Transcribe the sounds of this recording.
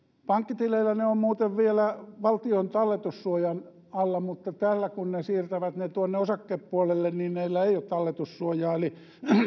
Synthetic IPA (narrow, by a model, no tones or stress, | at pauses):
pɑŋkːit̪ileilːæneommuːt̪eʋʋielæʋɑlt̪iont̪ɑlːet̪ussuojɑn | ɑlːɑmut̪ːɑt̪ælːækunnesiːrt̪æʋæt̪net̪uonːeosɑkːeːppuolelːenniːnneilːæeijot̪t̪ɑlːet̪ussuojɑːeli